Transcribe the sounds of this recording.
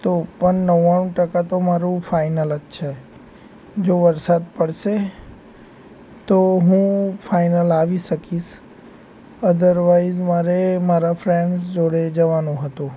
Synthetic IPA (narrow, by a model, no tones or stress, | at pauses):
t̪opəɳːəʋaɳũʈəkat̪omaɾũfʰaɪnələʃʰe | d͡ʒoʋəɾsad̪pəɽʃe | t̪oɦũfʰaɪnəlaʋiʃəkiʃ | əd̪əɾʋaid͡ʒmaɾemaɾafʰɾẽɳɖsd͡ʒoɽed͡ʒəʋanũɦət̪ũ